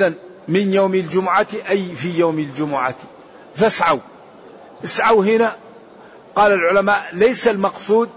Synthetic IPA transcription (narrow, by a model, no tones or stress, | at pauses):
ðan | mɪnjoːmild͡ʒʊmʊʕat̪iʔajfijoːmild͡ʒʊmʊʕat̪ | fasʕaw | ʔɪsʕawɦɪna | qɑːlalʕʊlamaːʔlajsalmɑqsˤuːd̪̚